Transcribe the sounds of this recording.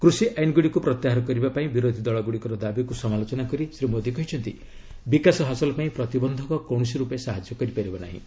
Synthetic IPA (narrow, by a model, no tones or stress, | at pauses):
kɾusiʔajnɔɡuɽikupɾɔt̪jaɦaɾɔkɔɾibapaĩbiɾod̪ʱid̪ɔɭɔɡuɽikɔɾɔd̪abikusɔmalot͡ʃɔnakɔɾisɾimod̪ʱikɔɦit͡ʃʰɔnt̪i | bikasɔɦasɔlɔpaĩpɾɔt̪ibɔnd̪ʱɔkɔkɔw̃ɔs̬iɾupesaɦad͡ʒjɔkɔɾipaɾibɔna̰ɦḭ̃